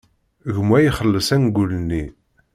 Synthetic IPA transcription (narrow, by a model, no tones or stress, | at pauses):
ɣəmwæjiχəlːəsænɡulnːi